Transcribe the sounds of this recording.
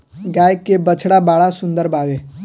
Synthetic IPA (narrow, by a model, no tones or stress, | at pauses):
ɡaːjkːebət͡ʃʰɽabaːɭasʊ̃nd̪əɾbaːʋeː